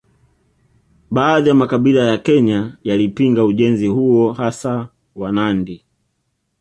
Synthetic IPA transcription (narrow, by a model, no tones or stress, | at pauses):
ɓaːðijamakaɓilajakɛɲajalipiŋɡauʄɛnzihuɔhasa | wanandi